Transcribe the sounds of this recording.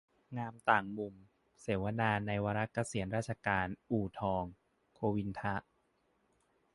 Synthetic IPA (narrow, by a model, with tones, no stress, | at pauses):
ŋaː˧mt̪aː˨˩ŋmu˨˩m | seː˩˦wa˧naː˧na˧jwaː˧ɾa˦˥ka˧si˩˦ənɾaː˥˩t̪̚t͡ɕʰa˧kaː˧nʔuː˨˩t̪ʰɔː˧ŋ | kʰoː˧wi˧nt̪ʰa˦˥ʔ